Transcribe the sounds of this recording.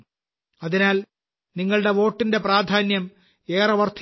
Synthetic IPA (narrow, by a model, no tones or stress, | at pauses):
ɐðinaːl | niŋːɐɭɨɽe̞ʋo̞ːʈːinde̞praːd̪ʱaːnjɐm | eːrɐʋɐrt̪ʰ